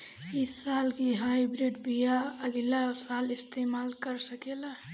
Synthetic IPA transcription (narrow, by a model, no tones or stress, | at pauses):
ɪsːaːlkiɦaibɾiɖbijaəɡilasaːlɪst̪eːmaːlkəɾsəkela